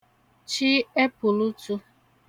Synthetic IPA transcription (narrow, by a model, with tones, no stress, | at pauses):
t͡ʃi˦e˦pʊ˨lu˦tu˦